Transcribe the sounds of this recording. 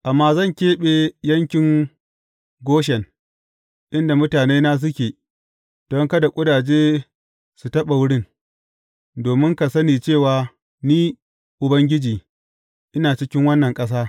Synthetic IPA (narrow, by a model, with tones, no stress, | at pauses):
ʔa˨mːaː˦zɐ˦˨ŋkʲeː˦ɓeː˨jɐ˦ŋkʲɪ˨ŋ | ɡʷoː˦ʃ̬ɛ˨n | ʔɪ˦nda˨mʊ˦taː˨neː˦naː˦s̬ʊ˦kʲeː˨ | d̥ɔ˦ŋkɐ˦da˨kʷʼʊ˦daː˨d͡ʒeː˦ | su˨tɐ˦ɓa˨wʊ˦ɽɪ˦˨n | doː˨mɪ˦ŋka˨sɐ˦niː˨t͡ʃeː˦˨waː˨ | niː˦ | ʔʊ˨bɐ˦ŋɡʲɪ˦d͡ʒiː˨ | ʔɪ˦naː˨t͡ʃɪ˦kʲɪ˦ŋwɐ˦nːɐ˨ŋkʼɐ˦s̬aː˦